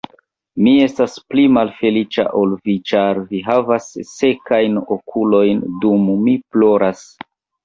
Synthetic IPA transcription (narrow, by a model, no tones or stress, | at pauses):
mie̞stasplimalfe̞lit͡ʃa̰ʔolvit͡ʃaɾviɦavasːe̞kajnokʰulo̞jndumːiplo̞ɾas